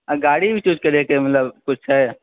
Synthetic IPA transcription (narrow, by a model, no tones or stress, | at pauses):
aɡaːɽibʱit͡ʃuːd͡ʒkɐɾekemɐt̪ləbkʊt͡ʃʰɦɛ